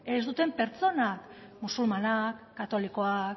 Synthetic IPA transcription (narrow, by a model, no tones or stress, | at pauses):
e̞zd̪ut̪e̞mpe̞ɾt͡so̞nak | musulmanakːat̪o̞liko̞ak